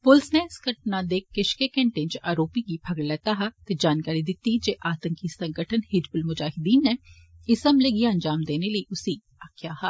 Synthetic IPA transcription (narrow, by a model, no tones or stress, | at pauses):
pʊlsneɪskəʈnad̪eːkːɪʃkekɛ̃ɳʈẽnt͡ʃaːɾoːpiɡibʰʱɐɡɽlɛːt̪aɦɐt̪ed͡ʒaːnkaːɾid̪ɪt̪ːid͡ʒeːʔaːt̪ə̃ŋkisɐ̃ŋɡəʈʰənhɪd͡ʒbʊlmʊd͡ʒaːɦɪd̪iːnːɛ̃ | ɪsɐmleɡiɐ̃nd͡ʒaːmd̪eːneləiʔʊsi | akʰjaːɦa